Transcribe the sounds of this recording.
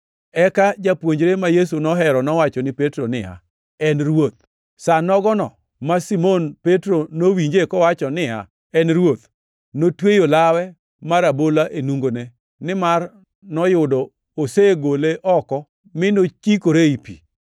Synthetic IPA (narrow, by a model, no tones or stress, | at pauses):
ɛkad͡ʒapwoɲd͡ʒɾemajes̬unɔɦɛɾɔnɔwat͡ʃɔnɪpetɾonɪa̰ | ɛnɾwot̪̚ | sanɔɡɔnɔ̰ | masimonpetɾonowiɲd͡ʒekɔwat͡ʃɔnɪa̰ | ɛnɾwot̪ | notwejolawɛ | maɾabolaʔenuŋɡone | nɪmar | nɔjʊdɔ | oseɡoleʔɔkɔ | mɪnot͡ʃikoɾeipḭ